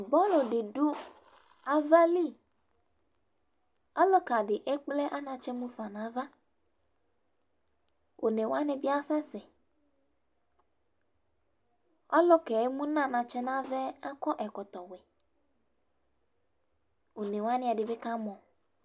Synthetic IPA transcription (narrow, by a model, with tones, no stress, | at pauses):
bɔ˦lo˨dɪ˨du˦ | a˦va˦li˦˨ | ɔ˦lɔ˦ka˨ɖɪ˨ʔɛ˦k͡plɛ˦ʔa˦nã˨t͡ʃɛ˦mũ˦fa˨nã˨˦va˦ | wʔo˨nɛ˨wa˦nɛ̃˨bɪ˦a˦sɛ̃˦sɛ˨ | ɔ˦lɔ˦kɛ˨˦mũ˦nã˦˨nã˨t͡ʃɛ˦nã˦vɛ˦a˦kɔ˦ʔɛ˨kɔ˨t̪ɔ˨wɛ˨ | o˨nɛ̃˨wa˦nɪ̃˦a˨dɪ˨bɛ˦ka˦mɔ̃˨